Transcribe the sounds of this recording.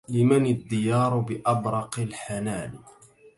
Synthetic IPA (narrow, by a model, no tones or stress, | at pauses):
lɪmanad̪ːɪjɑːɾˤʊbɪʔɑbɾˤɑqɪlħanaːl